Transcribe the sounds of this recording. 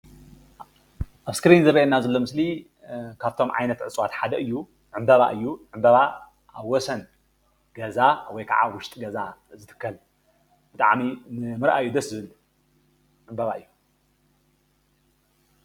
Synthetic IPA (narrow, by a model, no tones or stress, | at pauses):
ʔaβskɾinzɐɾɐjenːazɐlːo̞mɨsli | kʰaβt̪ʰo̞mʕa̰jnɐt̪ʕɨsʼwat̪ħad̪ɐʔɨjːu | ʕɨmbɐβa̰ʔɨjːuʕɨmbɐβa | ʔaβwɔsɐn | ɡ̥ɐzawɔjkʰaʕa̰wʊʃt̪ʼɡɐzazɨt̪ʰɨ̥kʰːɐl | b̥ɨt̪ʼa̰ʕminɨmɨɾʔa̰ʔɨjːud̪ɐszɨβɨlːu | ʕɨmbɐβaʔɨjːu